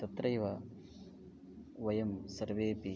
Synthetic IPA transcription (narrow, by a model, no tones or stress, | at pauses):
t̪ɐt̪ɾɐjʋɐ | ʋɐjɐmsɐɾʋeːpi